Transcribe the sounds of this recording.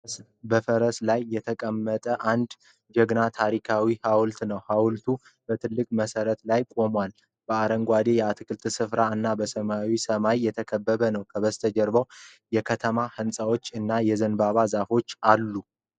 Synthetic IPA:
s | bəfəɾəslajːɛt̪ʰəkʼəmːət̪ʼəʔand̪ | d͡ʒɛɡnat̪ʰaɾikʰawihawlt̪nəwhawlt̪ʰu | b̥ət̪ʰɨlːɨkʼməsəɾət̪lajkʼo̞mwal | b̥əaɾəŋɡʷad̪e̞jɛat̪ʰɨkʰʼɨlt̪ʰɨsɨfɾaɨnːabəsəmawisəmajːɛt̪ʰəkʰəbːəβənəwkʰəβəst̪ʰəd͡ʒəɾbəw | jɛkʰət̪ʰəmahɨnsʼawo̞t͡ʃːɨnːajɛzənbaβazafo̞t͡ʃːalːu

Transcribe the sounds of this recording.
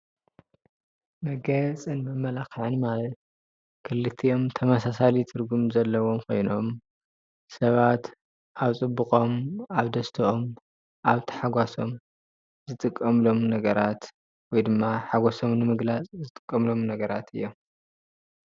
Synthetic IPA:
mɐɡɐt͡sʼɨnbɨmɐlaxʕɨnmalɐt̪̚ | kʰɨlːɨt̪ʰio̞mt̪ʰɐmɐsasalit̪ʰɨɾɡumzɐlːɐwo̞mkʰo̞̰jno̞m | sɐβat̪ | ʔaβt͡sʼɨbːɨkʼo̞maβd̪ɐst̪ʰɨʔom | ʔaβt̪ʰi̥ħaɡʷaso̞m | zɨt̪ʼɨkʼːɐmlo̞mnɐɡɐɾat̪ | wɔjd̪ɨmːaħaɡʷaso̞mnɨmɨɡlat͡sʼzɨt̪ʼɨ̥kʼːɐmlo̞mnɐɡɐɾat̪ʰɨjːo̞m

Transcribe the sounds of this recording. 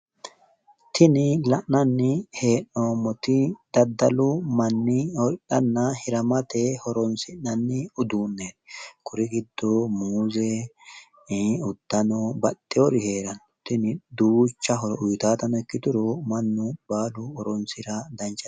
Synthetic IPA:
t̪ʰɪnɪlɐʔnɐnːɪhe̞ːnːoːmɔt̪ɪd̪̥ɐd̪ːɐlʊmɐnːɪhɔɾɪɗɐnːɐhɪɾɐmɐt̪ehɔɾɔnsɪnːɐnːɪʊd̪uːnːeːkʰʊɾɪɡɪd̪ːomuːzɛ | ʊd̪̥ːɐnɔbɐt̪ʼːɪɔɾɪheːɾɐn | t̪ɪnɪd̪uːt͡ʃːɐɦɔɾʊjt̪aːt̪ɐnɔɛkːɪt̪ʊɾɔmɐnːʊbaːlʊɔɾɔnsɪɾɐd̪ɐnt͡ʃːɐ

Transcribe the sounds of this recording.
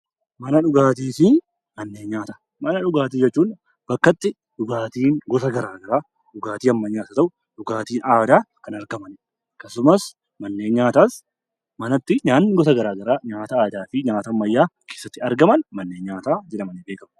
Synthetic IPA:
mɐnɐᶑʊɡaːt̪iːsi | mɐnːeːɲaːt̪ɐ̥ | mɐnɐᶑʊɡaːt̪̬iːd͡ʒɛt͡ʃːuːn | b̥ɐkːɐt̪ːɪ | ᶑʊɡaːt̪iːŋɡɔt̪ɐɡɐɾaːɡɐɾaː | ᶑʊɡaːt̪iːɐmːɐɲaːt̪ɐt̪ɐʔʊ | ᶑʊɡaːt̪iːnaːd̪aːkɐnɐɾɡɐmɐn | kːɐsʊmɐs | mɐnːe̞ːnɲaːt̪aːs | mɐnɐt̪ːɪɲaːnːɪɡɔt̪ɐɡɐɾaːɡɐɾaːɲaːt̪ɐaːd̪aːfɪɲaːt̪ɐmɐjːaːkʰe̞ːsːɐt̪ːɪɐɾɡɐmɐnmɐnːeːɲaːt̪aːd͡ʒɛᶑɐmɐnibeːkɐm

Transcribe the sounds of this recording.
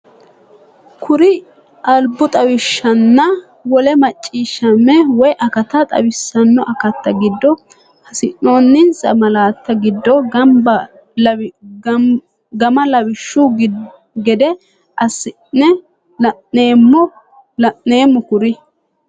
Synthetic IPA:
kʰʊɾɪ | ɐlbːʊt̪ʼɐwɪʃːɐnːɐ | wɔlɛmɐt͡ʃʼːiːʃːɐmːɛwɔjʔɐkɐt̪ɐt̪ʼɐ̰wɪsːɐnːɔʔɐkɐt̪ːɐɡɪd̪ːɔ | hɐsɪnno̞ːnːɪnsɐ̰mɐlaːt̪ːɐɡɪd̪ːɔɡɐmbɐ | ɡɐmɐlɐwɪʃːʊɡ | ɡɛd̪ɛ | ʔɐsɪnːɛ | lɐnːe̞ːmːɔ | lɐʔːe̞ːmːʊkʊɾɪ

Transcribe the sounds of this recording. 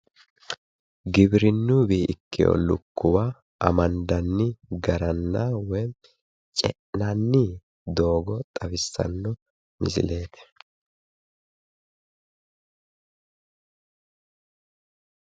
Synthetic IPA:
ɡɪbɾɪnːuːbiːʔɪ̰kːɪjo̰lʊkːʊwaː | ʔɐ̰mɐnd̪ɐnːɪɡɐɾɐnːawɛ | t͡ʃʼɛʔnanːɪ | d̪o̞ːɡɔt̪ʼɐfɪsːɐ̰nːɔ | mɪ̰sɪ̰le̞ːt̪ɛ̥

